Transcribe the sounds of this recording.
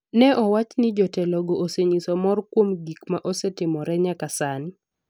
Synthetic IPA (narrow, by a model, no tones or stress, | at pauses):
nɛʔɔwat͡ʃnɪd͡ʒɔtɛlɔɡoʔoseɲisɔmɔrkwomɡikmaʔɔsɛtɪmɔɾɛɲakasanɪ